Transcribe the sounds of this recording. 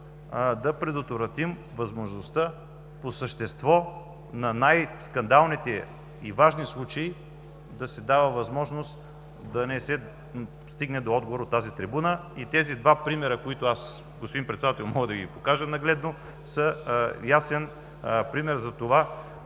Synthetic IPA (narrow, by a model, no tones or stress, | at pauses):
d̪ɐpɾɛd̪ot̪vɾɐt̪im | vɐzmoʒnost̪a | posəʃt̪ɛst̪vɔ | nɐnajskɐnd̪alˠnit̪ɛ | ivaʒnislˠut͡ʃɐi | d̪ɐsɛd̪avəvɐzmɔʒnost̪ | d̪ɐnɛsɛ | st̪iɡnɛd̪oɔd̪ɡovoɾot̪ːazit̪ɾibunəit̪ɛzid̪vapɾimɛɾəkoit̪ʊas | ɡospod̪inpɾɛt̪sɛd̪at̪ɛlˠmɔɡəd̪ɐɡipokaʒənɐɡlɛd̪no | səjasɛn | pɾimɛɾzɐt̪ova